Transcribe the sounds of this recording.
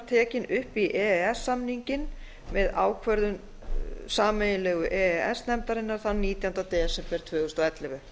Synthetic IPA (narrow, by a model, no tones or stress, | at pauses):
ɾt̪ʰɛːcɪnʏhpiʔɛɛsːamniɲcɪn | mɛðaːwkʰvœɾðʏm | saːmɛjɪlɛːɣʏʔɛɛɛsnɛmt̪aɾɪnːaɾ̥θanniːt̪jawnt̪awt̪ɛːɛsɛmpɛɾ̥t̪ʰvœːɣʏst̪ɔɛt̪lɪvʏ